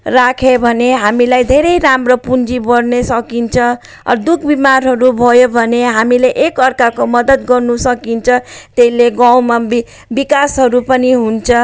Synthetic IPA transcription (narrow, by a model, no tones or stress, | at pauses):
rakʰebʱʌneɦamilajd̪ʱeɾʌjɾamrʌpund͡zibʌrnesʌkint͡sʰʌ̃ | d̪uk̚ʰbimarɦʌɾubʱʌjobʱʌneɦamileʔekʌrkakomʌd̪ʌd̪ɡʌrnusʌkint͡sʰʌ̃t̪eileɡawmab | bikasɦʌɾupʌniɦunt͡sʰʌ